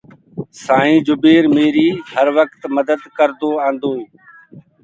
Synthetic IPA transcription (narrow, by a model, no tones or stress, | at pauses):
saːĩːd͡ʒʊbeːɾmeːɾiːɦəɾʋəkt̪məd̪əd̪kəɾd̪oːãːnd̪oː